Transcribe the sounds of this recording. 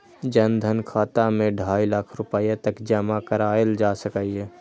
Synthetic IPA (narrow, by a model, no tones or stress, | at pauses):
d͡ʒənd̪ʱənkʰaːt̪amẽɖʱaːilakʰɾʊpəjat̪əkd͡ʒəmakəɾaːeld͡ʒasəkaiɦɛː